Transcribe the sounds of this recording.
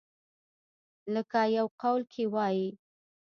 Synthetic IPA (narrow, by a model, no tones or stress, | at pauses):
ləkajawqawlkʰewɑji